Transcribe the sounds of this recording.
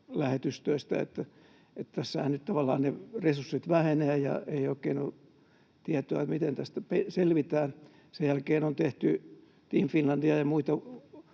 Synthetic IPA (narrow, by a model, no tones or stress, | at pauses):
læhet̪yst̪øist̪æ̰ḛt̪ːæ | et̪t̪æsːæhænnytt̪ɑʋɑlːˑɑ̰ːnneresursːit̪ʋæheneæjɑ̰eioikːeːno | t̪iæt̪oɑ̰t̪mit̪ent̪æst̪æpeselʋit̪æːn | sejælkeːnont̪eht̪y | t̪imfinlɑnd̥iɑjɑmuit̪ɑ